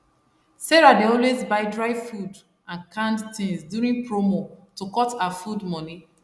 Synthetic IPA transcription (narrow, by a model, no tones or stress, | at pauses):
seɹadeɔlwezbaɪdɹaɪfud | ãnkʰãndtĩŋsdjuɹĩŋpɹomotokɔtaafudmɔni